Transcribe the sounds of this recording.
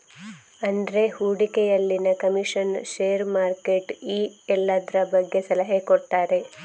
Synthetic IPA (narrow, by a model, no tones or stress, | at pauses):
ɐnd̪ɾe̞huːɽikɛjɐlːinɐkɐmiʂɐnʃeːɾmaːɾkeʈiːɛlːad̪ɾɐbɐɡːe̞sɐlɐɦekoʈːaːɾe̞